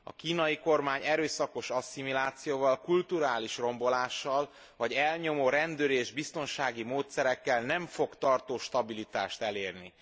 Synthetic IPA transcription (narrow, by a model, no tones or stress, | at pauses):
ɒ̰kiːnɒjiko̞rmaːɲɛɾøːsɒko̞ʃɒsimilaːt̪sijoːvɒlkult̪uɾaːliʃro̞mbo̞laːʃːɒl | vɒɟɛlɲo̞moːɾɛnd̪øːɾeːʒbist̪o̞nʃaːɡimoːt̪sɛɾɛkːɛlnɛɱfo̞kt̪ɒrt̪oːʃt̪ɒbilit̪aːʃt̪ɛleːrni